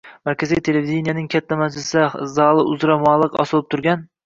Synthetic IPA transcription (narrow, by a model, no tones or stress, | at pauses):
mæɾkʲʰæzijt̪ʰelevid̪inijanɪŋkʲʰæt̪ʰːæmæd͡ʒlɪsɛzɑːlˠɨʔʊzɾɑmɑːlˠɨqɒ̰sɨlˠɨp̚t̪ʰʊɾɡʲæn